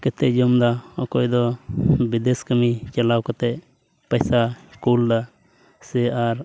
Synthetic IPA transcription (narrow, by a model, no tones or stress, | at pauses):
kɛt̪ɛd͡ʒɔmd̪aɔkɔjd̪ɔbid̪eskəmit͡ʃalawkɔt̪ɛ | pəjsaskuld̪a | sɛaɾ